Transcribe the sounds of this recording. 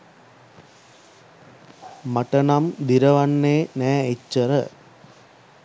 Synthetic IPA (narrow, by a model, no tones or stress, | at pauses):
mɐʈɐnɐmd̪iɾɐʋɐnːeːnæːet͡ʃːəɾə